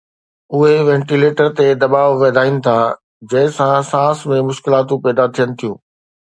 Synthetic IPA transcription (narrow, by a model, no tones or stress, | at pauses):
ʊɦeʋɛ̃ːɳʈileːʈəɾt̪ed̪ɐbaːʋʋɐːd̪ʱaːinɪ̆t̪ʰa | d͡ʑɐ̃ɦɪ̃sãsãːsmẽmʊʃkɪlaːt̪ũpɛːd̪at̪ʰijənɪ̆t̪ʰijṵ̃ː